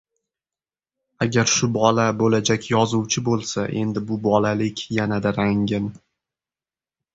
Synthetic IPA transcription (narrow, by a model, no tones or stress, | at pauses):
aɡʲaɾʃʊbɒlabolad͡ʒakʲjɒzʊwt͡ʃʰɪbolˠsaʔe̞̰nd̪ɪbʊbɒlalɪkʲjanad̪aɾaŋɪn